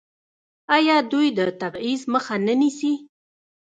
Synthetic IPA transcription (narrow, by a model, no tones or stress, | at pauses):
ajɑd̪ujd̪ət̪abizməxanənisi